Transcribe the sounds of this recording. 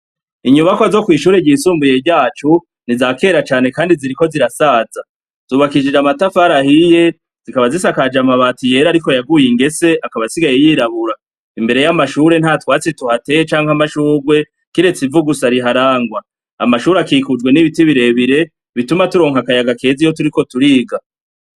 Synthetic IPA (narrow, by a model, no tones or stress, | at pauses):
iɲuβakoazo̞kwiːʃuːɾeɟiːsuːmbuje̞ɾɟaːt͡ʃu | nizake̞ːɾat͡ʃaːne̞kaːndiziɾiko̞ziɾasaːza | z̥uːβakid͡ʒid͡ʒamatafaɾahije̞ | z̥ikaβazisakad͡ʒamaβatije̞ɾaɾiko̞jaɡujiŋɡe̞se̞ʔakaβasiɡajejiːɾaβuɾa | imbe̞ɾe̞jamaʃuɾe̞n̥hatwaːt͡setuhate̞jet͡ʃaːŋhamaʃuːɡwe̞ | kiɾe̞t͡sivuɡusaɾiɦaɾaːŋɡwa | a̰maʃuːɾakikud͡ʒɡwe̞niβitiβiɾe̞βiɾe̞ | βitumatuɾo̞ːŋhakajaɡake̞ːzijo̞tuɾiko̞tuɾiːɡa